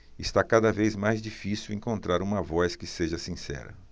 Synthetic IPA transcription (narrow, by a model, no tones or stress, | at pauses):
ɪst̪akad̪ɐvejzmajzd͡ʒifisiwẽŋkõnt̪ɾaɾũmɐvɔskɪseʒɐsĩsɛ̰ɾɐ̰